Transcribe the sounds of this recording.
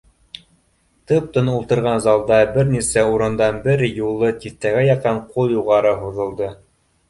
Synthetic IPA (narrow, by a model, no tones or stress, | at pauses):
t̪ɤp̚t̪ɤ̆nulˠt̪ɤ̆ɾʁɑnzɑlˠd̪ɑbɘɾnisæuɾɤ̆nd̪ɑnbɘɾjulˠːɤt̪iθt̪æɡæjɑqɑɴqulˠjuʁɑɾɤɦuðɤ̆lˠd̪ɤ